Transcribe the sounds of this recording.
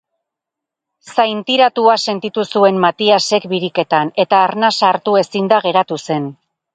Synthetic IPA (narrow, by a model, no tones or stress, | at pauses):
sajnt̪iɾat̪uase̞nt̪it̪usue̞mːat̪iase̞kbiɾike̞t̪ane̞t̪aːɾnasaɾt̪ue̞sind̪aɣe̞ɾat̪use̞n